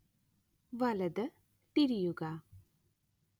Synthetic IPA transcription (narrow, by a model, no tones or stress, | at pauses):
ʋɐləd̪ | t̪iɾijuɡa